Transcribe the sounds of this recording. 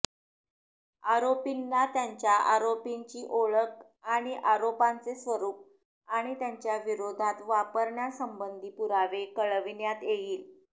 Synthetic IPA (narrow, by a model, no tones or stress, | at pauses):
aɾopinːat̪jaɲt͡ɕjaʔaɾopiɲt͡ɕiːʔoɭək̚ | aɽ̃iʔaɾopant͡sesʋəɾuːp̚ | aɽ̃it̪jaɲt͡ɕjaʋiɾod̪ʱat̪ʋapəɾɳjasəmbənd̪ʱiːpuɾaʋekəɭʋinjat̪jejiːl